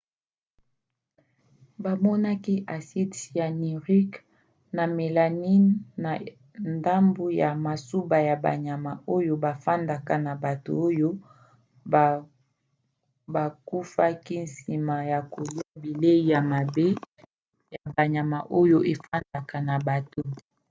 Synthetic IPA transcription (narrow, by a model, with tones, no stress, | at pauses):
ba˨mɔ˦na˦ki˦ʔa˨si˦tja˨ni˨ʁi˦k | na˨me˨la˨ni˦nna˨ | nda˦mbo˦ja˨ma˨su˦ba˨ja˨ba̰˨ɲa˨ma˨ʔo˦jo˦ba˨fa˦nda˨ka˨na˨ba˨to̰˨o˦jo˦˨ | ba˨ku˦fa˦ki˦n̩˨si˨ma˨ja˨ko˨li˦a˦bi˨le˦i˨ja˨ma˨be˦ | ja˨ba˨ɲa˨ma˨ʔo˦jo˦ʔe˨fa˦nda˨ka˨na˨ba˨to˨